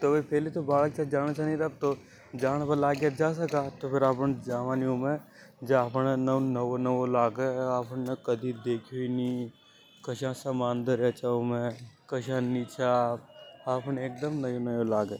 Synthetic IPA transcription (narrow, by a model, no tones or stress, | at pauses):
t̪oʋɐpʰeːlit̪obaːlkt͡ʃaːd͡ʒaːɽ̃at͡ʃʰaniɾɐb̚t̪o | d͡ʒaːɽ̃apɐlaːɡjad͡ʒaːs̬ɐkat̪opʰɪɾaːpnd͡ʒaːʋaniomẽd͡ʒapnnɐnɐʋonɐʋolaːɡeaːpnnɐkɐd̪ʱid̪eːkʰoini | kɐʃãsɐmaːnd̪əɾɛt͡ʃaomẽkɐʃãnit͡ʃʰapaːpneːk̚d̪əmnɐjõnɐjõlaːɡe